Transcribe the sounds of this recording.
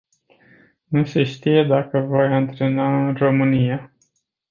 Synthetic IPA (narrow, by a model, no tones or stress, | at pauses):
nuse̞ʃt̪ije̞d̪akəvojant̪ɾe̞naɨnro̞mɨnija